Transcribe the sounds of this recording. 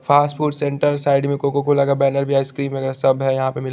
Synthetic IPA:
fʰaːsʈfʰuːʈsẽɳʈəɾsaːɪɖmẽkokokolɐɡabɛːnəɾbʱijaɪskɾiːmmẽɐɡəɾsɐbɦɛjɐɦãpemɪl

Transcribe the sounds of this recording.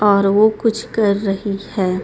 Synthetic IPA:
ɔːɾʋokʊt͡ʃʰkɐɾːɐɦihɛː

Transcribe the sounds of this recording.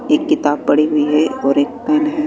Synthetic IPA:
eːkːɪt̪aːb̚pɐɽiɦʊiɦɛɔːɾeːk̚kɛːnɦɛ

